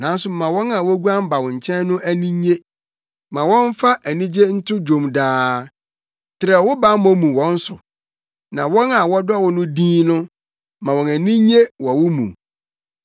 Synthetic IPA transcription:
nã˨˦n˦sʊ˨˦mã˨wɔ̃˦nã˨wɔ˦ɡu˦ã˦m˦ba˨wʊ̃˨ɲ̩˨t͡ɕʰɛ̃˦n˦nʊ̃˦ʔæ˦nĩ˦ɲe˦ | mã˨wɔ̃˦n˦fa˦ʔæ˨nĩ˦d͡ʑe˦n̩˦tʰʊ˦d͡ʑo˨mdaː˦ | tʰɪ˨ɾɛ˨wʊ˦ba˨˦mɔ̃˦mũ˨wɔ̃˦n̩˦sʊ˨ | nã˨wɔ̃˦na˨wɔ˦dɔ˦˨wʊ˨nʊ̃˦dĩː˦nʊ̃˦ | mã˨wɔ̃˨næ˨nĩ˦ɲe˦wɔ˨wʊ˦mṵ̃˨

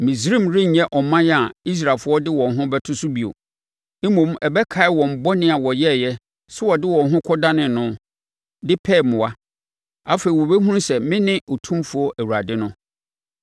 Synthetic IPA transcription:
mĩ˨s̬ɾĩ˦mɾɪ˦ɲ̩˨ɲɛ˦ʔɔ˨mã˦jɛ˦a˨i˦s̬ɾa˨fʊ˦ɔ˦dɪ˦wɔ̃˨n˨ɦʊ̃˦bɛ˦tʰʊ˦sʊ˦bi˨o̰˨ | e˦mõ˨m˦ɛ˨bɛ˦kʰa˨˦ɪ˦wɔ̃˨m̩˨bɔ˦nɪ̃˦a˨wɔ˨jɛ˦˨jɛ˦ | sʊ˦wɔ˨dɪ˦wɔ̃˨nɦʊ̃˦kʰɔ˦da˦nɪ̃˨nːʊ̃˦ | dɪ˦pʰɛ˦˨mʊ̃˨wa˦ | a˦fe˨i˨wɔ˨be˦ɦũ˦ɾsɛ˨mɪ̃˦nɪ̃˦ʔo˨tʰũ˦mfʊ˦ɔ˦ʔæ˨wu˨ɾa˨dɪ˦nʊ̃˦

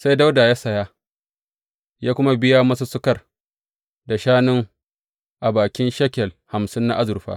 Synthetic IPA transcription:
sa˦jda˦wda˨jaː˦sɐ˨jaː˦ | jaː˦kʷʊ˦ma˦bɪ˦ja˦mɐ˦s̬u˦sʊ˦kɐ˨r | da˨ʃaː˦nʊ˦ŋ | ʔa˨baː˨kʲɪ˦nʃɐ˦kʲɛ˨lha˨msɪ˦nːa̰˦ʔa˦zʊ˨rɸa̰ː˦

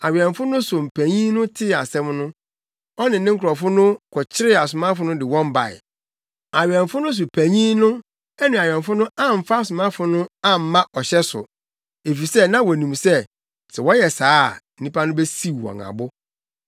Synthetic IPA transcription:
a˨ɥɛ̃˨ɱfʊ˦nʊ̃˦sʊ˨m̩˨pʰæ˨ɲĩ˦nʊ̃˦tʰɪ˦˨a˨sɛ̃˦mnʊ̃˦ | ɔ˦nɪ̃˨nɪ̃˦ŋ̩˦kʰʊ˨ɔ˨fʊ˦nʊ̃˦kʰɔ˨t͡ɕʰɪ˦ɾɪ˦a˨sʊ˨mã˦fʊ˦nʊ̃˦dɪ˨wɔ̃˦m˦ba̰˨ɪ̰˨ | a˨ɥɪ˨ɛ̃˨ɱ˨fʊ˦nʊ̃˦s̬ʊ˨pʰæ˨ɲĩ˦nʊ̃˦ | ɛ˦nũ˨a˨ɥᶣɛ̃˨m˨fʊ˦nʊ̃˦ã˦m̩˨fa˦sʊ˨mã˦fʊ˦nʊ̃˦ã˦m̩˨˦mã˦ʔɔ˨ɕɛ˦sʊ̰˨ | e˨fi˨sɛ˦nã˦wɔ˨nũ˨msɛ˦ | tʰɪ˨wɔ˦jɛ˨saː˦˨n̩˦nĩ˦pa˦nʊ̃˦bɛ˦si˦˨ɔ̰̃˨ŋã̰˨bʊ˦

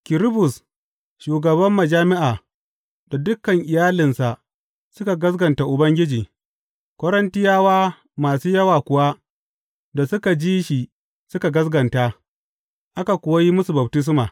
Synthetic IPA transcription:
kɪ˨ɾɪ˦bʊ˨s | ʃuː˨ɡɐ˨bɐ˦mːɐ˨d͡ʒaː˦mɪ˦ʔaː˨ | d̥a˨dʊ˦kːɐ˨ŋʔɪ˨jaː˦lɪ˨nsa˨ʔ | sʊ˦ka˨ɡɐ˦zɡɐ˨nta˨ʔʊ˨bɐ˦ŋɡʲɪ˦d͡ʒiː˨ | kʷɐ˦ɾɐ˦ntɪ˦jaː˦waː˦ | maː˨suː˦jɐ˦waː˨kʷʊ˨wa˦ | da˨sʊ˦ka˨d͡ʒiː˦ʃi˨ | sʊ˦ka˨ɡɐ˦sɡɐ˨nta˦ | ʔa˦ka˨kʷʊ˨wa˦ji˦mʊ˦su˨bɐ˨btɪ˦s̬maː˨

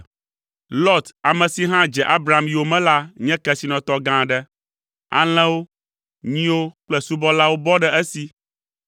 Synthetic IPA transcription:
lɔ˦t̪a˨mɛ̃˨si˨ɦã˦d͡ʒɛ˨ʔa˦bɾa˨mji˨wo˦mɛ̃˦la˦ɲɛ̃˦kɛ˦˨si˨nɔ̃˨t̪ɔ˦ɡã˦˨ɖɛ˦ | a̰˨l̃ɛ̃˦wo˦ | ɲĩ˦wo˦k͡plɛ˦su˦bɔ˦la˦wo˦bɔ˦ɖɛ˦ɛ˦si˨

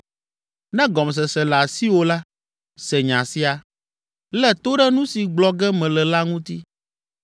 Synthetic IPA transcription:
nɛ̃˦ɡɔ˨ms̬ɛ˨sɛ˨la˨si˦wo˨la˦ | sɛ˨ɲã˨si˦a˨ | lɛ˦t̪o˦ɖɛ˦nũ˦si˨ɡ͡blɔ˨ɡɛ˦mɛ̃˨lɛ˨la˦ŋũ˦t̪i˦

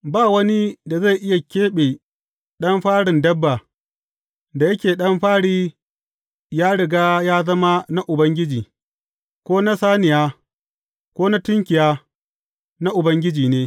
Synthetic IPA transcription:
baː˦˨wɐ˦ni˦da˨za˦˨jʔɪ˦ja˨kʲeː˦ɓeː˨ | ɗɐ˦mɸaː˦ɽɪ˨ndɐ˦bːa˨ | da˨jɐ˦kʲeː˨ɗɐ˦mɸaː˦ɽiː˦ | jaː˦ɽɪ˨ɡaː˦jaː˦zɐ˦ma˦na˦ʔʊ˨bɐ˦ŋɡʲɪ˦d͡ʒiː˨ | kʷoː˦na˦saː˦nɪ˨jaː˦ | kʷoː˦na˦tʊ˦ŋkʲɪ˨jaː˦ | na˦ʔʊ˨bɐ˦ŋɡʲɪ˦d͡ʒiː˨neː˦

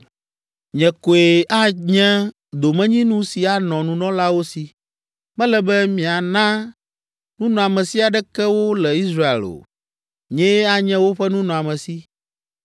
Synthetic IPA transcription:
ɲɛ̃˨ko˨e˨a˦ɲɛ̃˦ | d̪o˨mɛ̃˦ɲĩ˦nũ˦si˨a˨nɔ̃˨nũ˨nɔ̃˦la˦wo˦si˨ | mɛ̃˦lɛ˨bɛ˦mĩ˨a˨nã˦ | nũ˦nɔ̃˨a˨mɛ̃˨si˦a˨ɖɛ˦kɛ˦wo˦lɛ˨i˦sɾa˦ḛ˨lo̰˨ | ɲɛ̃˦a˦ɲɛ̃˦wo˦ɸɛ˦nũ˦nɔ̃˨a˨mɛ̃˨si˦

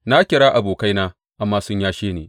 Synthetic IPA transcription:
na˦kʲɪ˨ɽaː˦ʔa˨boː˨ka˦jnaː˦ | ʔa˨mːaː˦sʊ˦ɲjaː˦ʃeː˦nḛː˨

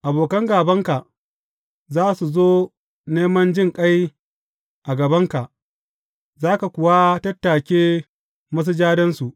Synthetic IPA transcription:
ʔa˨boː˨kɐ˦ŋɡaː˨bɐ˦ŋka˨ʔ | zaː˦su˨zoː˦ | neː˦mɐ˦nd͡ʒɪ˦ŋkʼa˦j | ʔa˨ɡɐ˨bɐ˦ŋka˨ʔ | zaː˦ka˨kʷʊ˨wa˦tɐ˦tːaː˨kʲeː˦ | mɐ˦s̬u˦d͡ʒaː˦dɐ˦nsu˨ʔ

